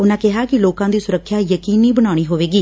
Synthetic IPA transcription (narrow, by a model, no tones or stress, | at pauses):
ʊnãːkɪɦaːkɪloːkãːd̪iːsʊɾəkʰːjaːjəkiːniːbəɽ̃aːɽ̃iːɦoːʋeːɡiː